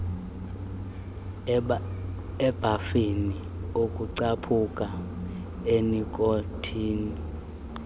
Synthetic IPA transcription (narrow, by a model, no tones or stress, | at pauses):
ɛb̥ʱafini | okʼuǀapʰukʼa | enikʼotʰiːni